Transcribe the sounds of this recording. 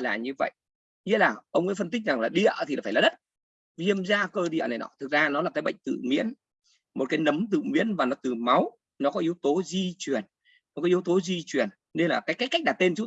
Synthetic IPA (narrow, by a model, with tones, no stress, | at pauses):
laː˨˩ɲɨ˧və̰˧˨jʔ | ɲi˧˨˦laː˨˩ʔə˧wŋ͡mʔə̰˧˦fə˧nt̪i˦˥k̟̚za˨˩ŋlaː˨˩ɗḭ˧˨ə˨ʔt̪ʰiː˨˩faː˧˩aː˨˩ɗə˦˥t̚ | vi˧əmzaː˧kəː˧ɗḭ˧˨ə̰˨na˨˩jnɔ̰˨˦t̪ʰɨ˨˩k̚zaː˧nɔ˨˦lːaː˨˩kaː˨˦jɓə̰˧˨jŋ̟t̪ɨ̰˧˨mḭ˧˥ən | mo˨˩t̚kaː˨˦jnə˨˦mt̪ɨ̰˧˨mḭ˧˥ənvaː˨˩nɔ˨˦t̪ɨ˨˩ma˨˦w | nɔ˨˦kɔ˨˦ʔi˨˦əwt̪o˨˦zi˧t͡ɕwi˨˩ənː | ɔ˦˩˦kɔ˨˦ʔəwt̪o˨˦zi˧t͡ɕwi˨˩ən | ne˧nlaː˨˩kaː˨˦jkaː˨˦jka˦˥k̚ɗaː˨˩t̪e˧nt͡ɕu˦˥